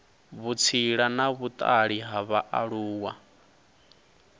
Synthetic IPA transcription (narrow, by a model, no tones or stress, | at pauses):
βut͡sʰiɺanaβut̪ʼaɺiɦaβaʔaɺuːwa